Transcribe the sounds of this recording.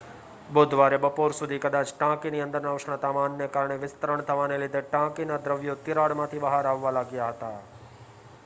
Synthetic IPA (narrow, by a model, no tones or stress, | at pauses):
bʊd̪ʱʋaɾebəpoɾsʊd̪ʱikəd̪aːt͡ʃʈãːkiniə̃nd̪əɾnaʋʃɳ̃ət̪amanːekaɾɳ̃eʋɪst̪əɾəɳt̪ʰəʋanelɪd̪ʱeʈãkinad̪ɾəʋjot̪ɪɾaɽmãt̪ʰibəɦaɾaʋːalaɡjaɦət̪a